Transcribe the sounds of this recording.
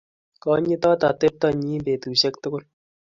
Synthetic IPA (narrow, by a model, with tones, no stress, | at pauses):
kɔ˦ɲɪ˦t̪ɔ˦t̪a˨t̪e˦p̚t̪ɑ˦ɲiː˦mpeː˨t̪u˨ɕɛ˦kt̪ʊ˦kʊ˦l